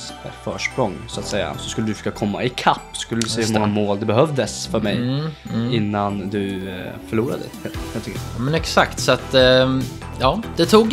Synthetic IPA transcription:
fœːʂpɾɔŋːsʊat̪sɛjːa̰sɔskɵlːəd̪ɵfkːakʰɔmːa̰ɪkʰapːsɔ̥skɵlːəd̪ɵsɛːahɵmɔŋːamoːld̪ɛbɛɦœvd̪əsfœɾmɛj | ɪnːand̪ɵfœɭuːɾa̰d̪ə | at̪ʏkɑːmɛnɛksakt̪sɔat̪ | jɑːd̪̥ɛt̪ʰuːɡ

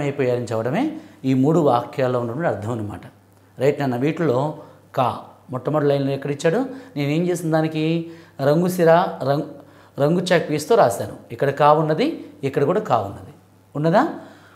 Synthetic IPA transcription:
ɐjpɔːjaːɾiɲt͡ʃɛʋɐɽɐme̞ːiːmuːɽuʋaːkʰjaːlːo̞ːuɳːɐɽɐmɐʈiɐɾt̪ʰːɐmɐjnːɐma̰ːʈɐ | ɾɐjʈnɐnːɐʋiːʈɐlo̞ː | ka̰ːmɔʈːɐmɐɽɐlɐjnloːɛkːɐɽit͡ʃːaːɽuneːnue̞ːɲt͡ʃe̞ːsinɐd̪aːnikiɾɐŋɡusiɾaːɾɐ | ɾɐŋɡut͡ʃaːkʋiːst̪uːɾaːsaːnṵikːɐɽɐkaːunːɐd̪iikːɐɽɐkuːɽaːkaːʋunːɐd̪i | unːɐd̪aː

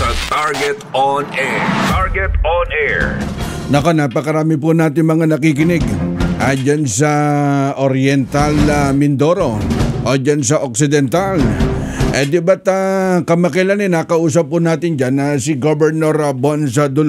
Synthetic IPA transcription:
sɐt̪aɹɡɛt̪onʔɛɹt̪aɹɡɛt̪onɛɹ | nɐko̞napɐkɐɾaːmɪp̬ʊnaːt̪ɪŋmɐŋanɐkikɪnɛɡʔɐd͡ʒansɐʔoɾjɛnt̪alɐmɪnd̪o̞ɾo̞ʔod͡ʒansɐʔok̚sɪd̪ɛnt̪al | ʔɐd̪ɪbat̪akɐmɐkɛlanɛnakɐʔuːs̬ɐp̚ːʊnaːt̪ɪnd͡ʒanɐsɪɡobɛɹnoɾɐbons̬ɐd̪ʊl

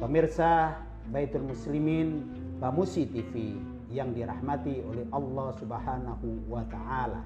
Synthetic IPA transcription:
kɔmirsa | bait̪ulmuslimin | bamusit̪ifi | jaŋdiɾahmat̪iolɛhʔɑlːɑsubaɦanahuwat̪aʔala̰

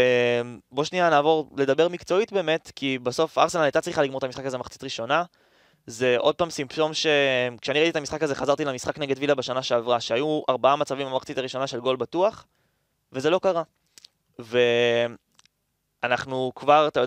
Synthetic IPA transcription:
embo̞ʃnianaːvo̞ʁle̞d̪abe̞ʁmikt͡so̞it̚beːme̞tkibaso̞fa̰ʁsenanajt̪at͡sʁiχaliɡmot̪amisχakazemaχt͡si̥tʁiʃo̞na | ze̞ʔo̞d̚paːmsimpʃo̞mʃe̞kʃeaniʁitet̪amisχakazeχazaʁt̪ilamisχakneɡedvilabeʃanaʃe̞avʁaʃeajuaʁbaamat͡savimamaχt͡sitaʁiʃo̞naʃe̞lɡo̞lbatuaχ | vezelo̞kaʁa | ve̞ | anaχnukvaʁat̪ajo

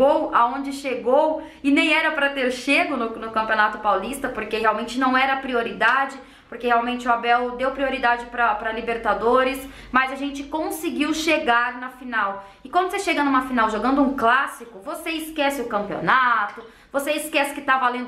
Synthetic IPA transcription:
owaõnd͡ʒɪʃeɡow | ɪnẽj̃ɛɾɐpɾɐt̪eɾʃeɡʊnʊnʊkɐ̃mpionat̪ʊpawlist̪ɐpoɾkeɦeawmẽnt͡ʃɪnɐ̃w̃ɛɾɐpɾioɾid̪ad͡ʒɪ | poɾkeheawmẽnt͡ʃɪʊabɛwd̪ewpɾioɾid̪ad͡ʒɪpɾɐpɾɐlibeɾt̪ad̪oɾɪs | mɐzaʒẽnt͡ʃɪkõsɪɡiwʃeɡaɾnɐfinaw | ɪkwɐ̃nd̪ʊseʃeɡɐnũmɐfinawʒoɡɐ̃nd̪ʊũklasikʊvoseɪskɛsɪʊkɐ̃mpio̰nat̪ʊ | voseɪskɛsɪ̥kɪt̪avalẽnd̪ʊ

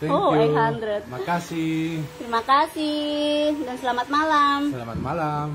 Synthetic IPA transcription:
t̪ɛoakhand̪ɾɛt̪̚akasit̪ɾimakasihdansəlamat̪̚malaməlama̰t̪malam

